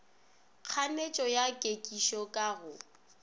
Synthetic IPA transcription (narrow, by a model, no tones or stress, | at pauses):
k͡xʰanet͡ʃʼɔjakʼekʼiʃɔkʼaɣʊ